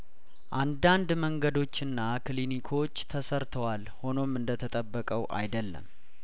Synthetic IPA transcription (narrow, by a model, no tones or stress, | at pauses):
ʔand̪and̪məŋɡəd̪o̞t͡ʃːɨnːaklinikʰo̞t͡ʃːt̪ʰəsəɾt̪ʰəwalho̞no̞mɨnd̪ət̪ʰət̪ʼəbːəkʼəwʔa̰jd̪əlːə̰m